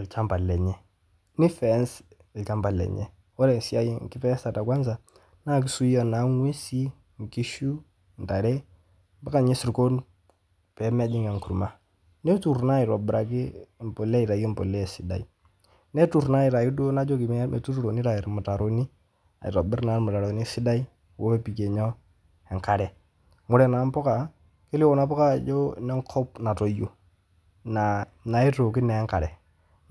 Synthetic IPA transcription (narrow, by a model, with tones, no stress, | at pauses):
lt͡ʃa˦mba˨lɛ˨ɲɛ˦ | ni˦fɛ˨˦ns | lt͡ʃa˦mba˨lɛ̰˨ɲɛ̰˦ | ɔ˦ɾɛ˨si˦a˦ji˨ŋ˨kɪ˦fɛ˦sa˨ta˨kwa˦nsa˨ | na˦˨k̬i˦su˦ɔ˨na˨˦ŋwe˦si˦ | ŋ˨ki˦ʃu˦ | n˨da˨ɾɛ˦ | ba˦ka˨ɲɛ˦si˨ɾko˦n | pɛ˨˦mɛ˦d͡ʒɪ˦ŋa˨ŋku˨ɾma˦ | nɛ˦tu˨ɾna˦˨i˨ɾɔ˨bɪ˨ɾa˨ɡi˦˨m˨pɔ˨lɛ˦i˨ɾa˨ɡi˦m˨pɔ̰˨lɛ˦˨si˨da̰˨i˦ | ne˦tu˨ɾna˦ɪ˨ɾa˨jɪ˦do˦na˦d͡ʒo˦ki˨m˦mḛ˨tu˦ɾu˦ɾo˨ni˦ɾa˨ɪ˨ɾmʊ˨ta˨ɾo˨ni˦ | a̰˨ɪ˨ɾɔ˨bɪ˦ɾna˨˦mʊ˨ta˨ɾo˨ni˦sɪ˦da˦i˦ | wo˦e˦pi˨ke˨ɲɔ˦ | ɛ˨ŋka˨ɾɛ˨ | ŋʊ˦ɾɛ˨na˨˦m˦pɔ˦ka˨ | ke˦li˦o˨˦na˦pɔ˦ka˦˨d͡ʒo˦nɛ˦ŋkʰɔ˦p̚na˨to˨jo˨ | na˨ | na˨i˦to˨kɪ˦nɛ˨˦ŋka˨ɾɛ˨